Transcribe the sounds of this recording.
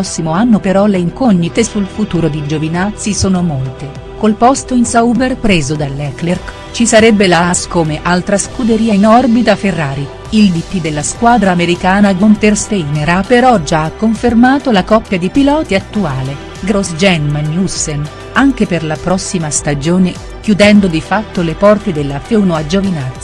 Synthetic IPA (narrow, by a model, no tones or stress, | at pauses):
sːimoanːopeɾɔleiŋkoɲːit̪esulfut̪uːɾod̪id͡ʒovinat̪sisoːnomolt̪e | kolpɔst̪oinsaubberpɾeːzod̪alːɛklerk | t͡ʃisaɾɛbːelaskoːmeʔalt̪ɾaskud̪eɾiːainɔrbit̪aferːaːɾi | ild̪it̪ːid̪elːaskwaːd̪ɾaːmeɾikaːnaɡont̪erst̪eineɾapːeɾɔd͡ʒaakːoɱfermaːt̪olakɔpːjad̪ipilɔːt̪iat̪ːuaːle | ɡɾosd͡ʒɛnmanjusːen | aŋk̟eperlapɾɔsːimast̪ad͡ʒoːne | k̟jud̪ɛnd̪od̪ifat̪ːolepɔrt̪ed̪elːafewnoad͡ʒovinat̪ː